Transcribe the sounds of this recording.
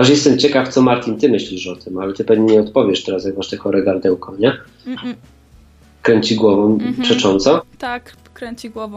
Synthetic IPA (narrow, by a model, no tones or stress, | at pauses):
aʂ̬jɛst̪ɛmt͡ɕɛkaft̪sɔmaɾt̪ʲint̪ɘmɘɕlʲiʂɔt̪ɘmalɛt̪ɘpɛvɲɛɲɛɔt̪pɔvʲjɛʂt̪ɛɾasjaɡvaʂt̪ɛkɔɾɛɡaɾd̪ɛwkɔɲɛ | kɾɛɲt͡ɕiɡwɔvɔ̃mpʂɛt͡ʂɔnt̪sɔ